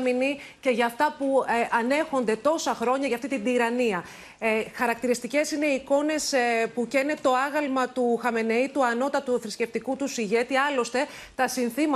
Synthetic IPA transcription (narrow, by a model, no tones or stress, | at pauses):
minice̞ʝɐft̪ɐpuɐne̞xo̞nd̪e̞t̪o̞sɐxɾo̞ɲɐʝɐft̪it̪id̪iɾɐniɐ | xɐɾɐk̚t̪iɾist̪ice̞sine̞iko̞ne̞spucenet̪o̞ɐɣɐlmɐt̪uxɐme̞ne̞it̪uɐno̞t̪ɐt̪uθɾisce̞ft̪ikut̪usiʝe̞t̪iɐlo̞st̪e̞ | t̪ɐsinθimɐ